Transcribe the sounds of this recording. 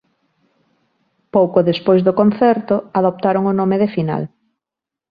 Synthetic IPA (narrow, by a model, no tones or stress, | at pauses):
powkoðespojzðʊkonθɛɾt̪ʊaðop̚t̪aɾoŋʊnomeðefina̰l